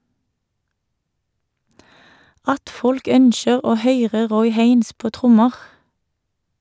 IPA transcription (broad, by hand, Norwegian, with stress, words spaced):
ˈɑt ˈfɔlk ˈœnʃəʁ ˈoː ˈhœʏʁə ˈʁɔʏ ˈheɪns ˈpoː ˈtʁʊməʁ